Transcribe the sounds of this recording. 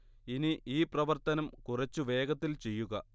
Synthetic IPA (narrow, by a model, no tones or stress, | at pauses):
iniiːprɐʋɐrt̪ɐnɐmkurɐt͡ɕːuʋe̞ːɡɐt̪ːilt͡ɕe̞jːuɣɐ